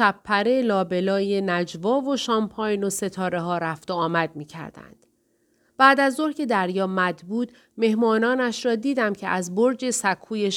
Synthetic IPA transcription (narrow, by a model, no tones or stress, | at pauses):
ʃæpʰːæɾe̞lɒːbe̞lɒːje̞næd͡ʒvɒːvo̞ʃɒːmpʰɒːjnose̞t̪ʰɒːɾeɦɒːɾæft̪oɒːmæd̪̚miːcʰæ̰ɾd̪æ̰nd̪̥ | b̥æːd̪æzoɾcʰe̞d̪æɾjɒːmæd̪buːd̪ | me̞hmɒːnɒːnæʃɾɒːd̪iːd̪æmcʰe̞ʔæzboɾd͡ʒe̞sækʰːuːjeʃ